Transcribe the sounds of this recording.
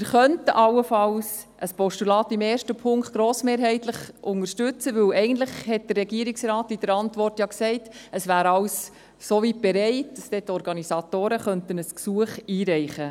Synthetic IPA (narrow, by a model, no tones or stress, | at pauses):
mɪɾχœntəʔɑlːəfɑls | ʔəspɔʃtulɑːtimeːɾʃtəpʰʊŋktɡ̥ɾoːsmeːɾɦɛɪtləχʔʊŋəɾʃtʉt͡səʋɵwɛɪɡən̩t̪ləχhɛt̚d̥ərːɛɡiəɾiksɾɑːtid̥əɾɑntʋɔrtjɑksɛɪtəsʋæːɾɑws | soʋit̚b̥ɛɾɛɪt̚d̥ɑsd̥ɛtɔɾɡɑnisɑtoːɾəχœntənəsksuəχiːɾɛɪχə